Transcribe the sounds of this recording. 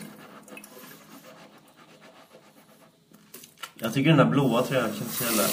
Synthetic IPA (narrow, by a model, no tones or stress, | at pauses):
jɑːɡt̪ʰʏkːəɖɛnd̪æːɾbloːat̪ʰɾɛːnakʰɛnsɛlːə̰